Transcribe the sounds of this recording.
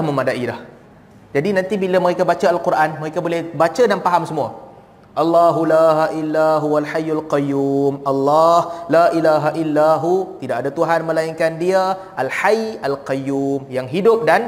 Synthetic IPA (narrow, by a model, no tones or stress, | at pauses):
lahmə̃madaʔilah | d͡ʒadinãnt̪ibilaməɾekabat͡ʃaalkurʔanmə̃ɾekabolɛhbat͡ʃadanpaɦamsəmũa | ʔalːaɦulaɦaʔilːaɦualħajːalqajumalːɑhlaʔilaɦaʔilːaɦut̪idakadat̪uɦanmə̃laiŋkandiaʔalħajalqajumjaŋɦidʊp̚dan